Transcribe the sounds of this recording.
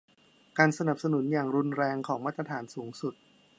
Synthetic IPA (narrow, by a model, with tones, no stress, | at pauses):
kaː˧nsa˧na˨˩p̚sa˧nu˩˦njaː˨˩ŋɾu˧nɾɛː˧ŋkʰɔː˩˦ŋmaː˥t̪ɾa˧t̪ʰaː˩˦nsuː˩˦ŋsu˨˩t̪̚